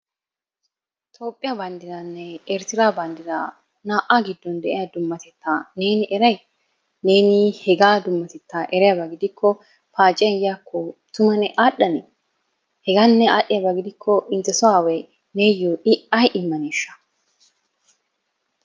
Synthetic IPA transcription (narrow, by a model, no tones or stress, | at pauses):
t̪ʰʼo̞ːpʼːɪjabɐnd̪ɪdɐnːɛɛɾt̪ɪɾaːbɐnd̪ɪɾa̰ | naːʔaɡɪd̪ːɔnd̪ɛʔɪjaːd̪ʊmːɐt̪ɛt̪ːaːne̞ːnɪʔɛɾɐj | neːnɪhɛɡaːd̪ʊmːɐt̪ɛt̪ːaːʔɛɾɛjabɐɡɪd̪ɪkːɔ | paːt͡ʃʼːɪɐjaːkʰːɔt̪ʊmɐnɛʔaːɗɐnɛ | hɛɡanːɛaːɗːɪjabɐɡɪd̪ɪkʰːɔʔɪnt̪ːɛsɔwaːwɛj | neːjoːʔɪʔɐjʔɪmːɐneːʃːɐ̥